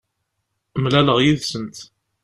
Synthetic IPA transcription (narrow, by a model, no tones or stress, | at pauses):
mlæləʁjiðsənt̪